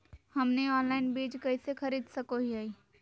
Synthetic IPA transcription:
hɐmneɔːnlaːɪnbiːd͡ʒkɐisexɐɾiːd̪sɐkoɦiaːiː

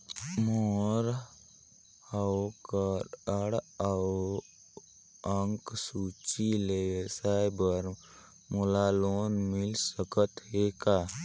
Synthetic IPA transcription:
moːɾ | akəɾəɽa | əŋksut͡ʃilesajbəɾ | molaloːnmɪlsəkət̪ɦekaː

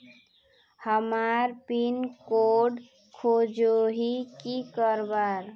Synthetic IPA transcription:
həmaɾpinkoɖ | kʰod͡ʒoɦikikəɾbaɾ

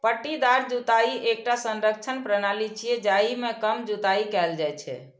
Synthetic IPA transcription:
pəʈːid̪aɾd͡ʒut̪aiʔek̚ʈasə̃nɾək̚t͡ʃʰənpɾənalit͡ʃʰied͡ʒaimekəmd͡ʒut̪aikɛld͡ʒajt͡ʃʰɛ̰

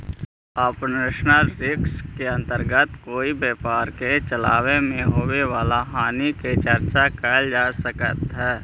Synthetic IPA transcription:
apnɪʃnəlɾɪkskeə̃nt̪əɾɡət̪koːibeːpaːɾket͡ʃəla̰ːʋemẽɦoːweʋaːlaɦaːniket͡ʃəɾt͡ʃakɛːld͡ʒaːsəkə̰t̪ɦɛː

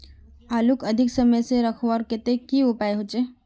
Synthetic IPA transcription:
aːlukɐd̪ʱɪksəməjseɾɐkʰʋaːɾkɪt̪ekiʊpaːjɦot͡ʃe

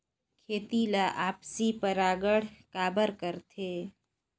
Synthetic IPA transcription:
kʰeːt̪ilaʔaːpsipəɾaːɡəɽ̤kaːbəɾkəɾt̪ʰeː

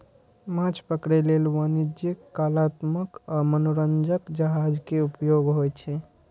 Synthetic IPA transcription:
mãt͡ʃʰpəkɾelelʋanid͡ʒikːalat̪məkamənoɾənd͡ʒəkd͡ʒəɦad͡ʒkeupjoɡɦojt͡ʃʰɛ

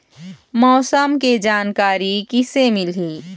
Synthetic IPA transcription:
mɔːsəmked͡ʒaːnkaːɾikisemɪlɦiː

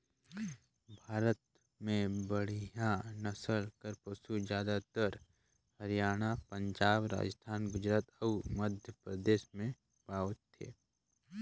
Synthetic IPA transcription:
bʱaːɾət̪ | mẽbəɽ̤ijãnɐsəlkəɾpəsud͡ʒjaːd̪at̪əɾ | həɾijaːɽ̃apə̃ɲd͡ʒaːbɾa̰ːd͡ʒəst̪ʰaːnɡʊd͡ʒɾaːt̪ɐməd̪ʱjəpɾəd̪eːʃmẽ | paːʋət̪ʰːḛː

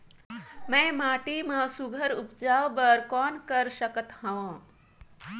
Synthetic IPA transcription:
mɛ̃maːʈiːmə̃suɡʱəɾupd͡ʒaːʋbəɾkɔːnkəɾʃəkət̪hãʋãː

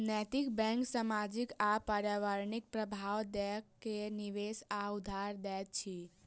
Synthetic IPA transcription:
nɛt̪ikbɛ̃ŋksamad͡ʒikapaɾjaʋaɾnik̚pɾəbʱawd̪ɛkːeniʋesaud̪ʱːaɾd̪ɛt̪̚t͡ʃʰi

